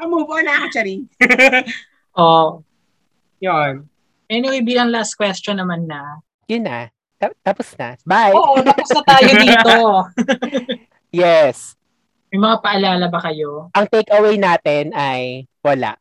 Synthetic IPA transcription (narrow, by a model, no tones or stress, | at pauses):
ʔɐmuːboɐnɐɐkɐt͡ʃɐɾi | ʔo | jon | ʔɛnɪwejbiːlɐŋlast̪̚kwɛst͡ʃɔnːɐmanːɐ | jʊnːa | t̪at̪aposnɐbajoʔt̪aposnɐt̪aːjod̪iːt̪o | jɛs | mɐjmɐŋapɐʔɐlaːlɐbɐkɐjo̞ʔɐŋt̪ejkɐwejnaːt̪ɛnɐj | wɐla̰ʔ